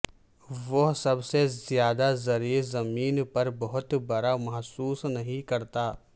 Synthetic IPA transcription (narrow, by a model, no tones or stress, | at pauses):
ʋɐɦsɐbsezjaːd̪azɐɾiːɾzɐmiːnpɐɾbɐɦʊt̪bɐɾamɐɦsuːsnɐɦĩkɐɾt̪aː